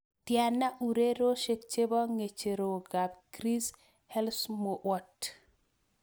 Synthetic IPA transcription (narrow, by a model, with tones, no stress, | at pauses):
tja˨na˦ʔu˨ɾe˦ɾo˦ʃe˨k̚t͡ʃe˦bɔ˦ŋe˨t͡ʃe˨ɾo˨ɡa˨bkɾi˦s | hɛ˦lsmɔ˨ʔwɔ˦t